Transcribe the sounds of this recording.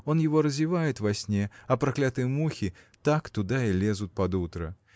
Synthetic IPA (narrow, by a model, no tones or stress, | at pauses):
ɔnjɛvɔɾɐzʲivajɛt̪ʲvasʲnʲɛɐpɾaklʲat̪ɨjɛmuxʲit̪akt̪ud̪ailʲɛzut̪̚ʲpad̪ut̪ɾɐ̰